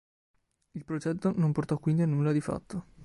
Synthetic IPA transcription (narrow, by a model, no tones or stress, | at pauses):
ilpɾod͡ʒɛt̪ːonomport̪ɔkːwind̪ianːulːad̪ifa̰t̪ʰːo